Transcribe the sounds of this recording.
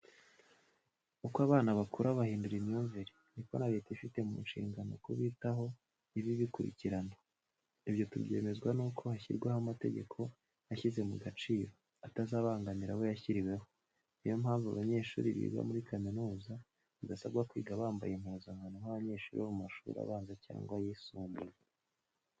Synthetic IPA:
ukwaβaːnaβakuɾaβahiːnduɾinjuɱviɾe | niko̞naβe̞teifite̞mṵnʃḭːŋɡano̞̰kuβiːtaɦo̞ | iβiβikuɾḭciɾano | iβjo̞tubɟeːme̞zɡwanuːkʰo̞haçḭɾɡwehamate̞̰ɟe̞̰kʰo̞ | haçize̞muɡat͡ʃiːɾo̞ | atazaːβaːŋɡaniɾawo̞jaçiɾiwe̞ho̞ | ijo̞mhaːɱvṵβaɲe̞ːʃṵːɾiβḭːɡa̰muɾikaminuːza | βiɡasabɡakwḭːɡaβaːmba̰jem̥huːzaŋanohaβaɲe̞ːʃuːɾiomumaʃṵːɾa̰βaːnzaca̰ːŋɡwajisuːmbuɾ

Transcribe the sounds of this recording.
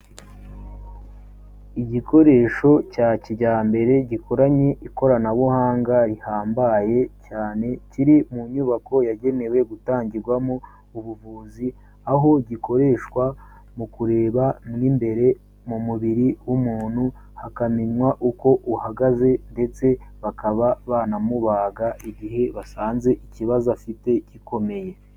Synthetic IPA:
iɟiko̞ɾe̞ːʃo̞caːciɟaːmbe̞ɾe̞ɟiko̞ɾaɲe̞ʔiko̞ɾanaβuhaːŋɡaɾihaːmbaje̞caːne̞ciɾimuɲuːβako̞jaɟe̞ne̞we̞ɡutaːɲɟiɾɡwamo | uβuvuːzi | aɦo̞ɟiko̞ɾe̞ːʃkwa | mukuɾe̞ːβamŋiːmbe̞ɾe̞ | mumuβiɾiwumuːn̥hu | hakamiɲwaʔuko̞ʔuhaɡaze̞nde̞t͡se̞βakaβaβaːnamuβaːɡaiɟiɦe̞βasaːnze̞ʔiciβazafite̞ciko̞me̞je̞

